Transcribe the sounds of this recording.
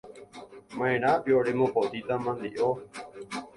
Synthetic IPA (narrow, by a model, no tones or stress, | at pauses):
mãẽɾ̃ãpjoɾemõpot̪it̪amãnd̪iʔo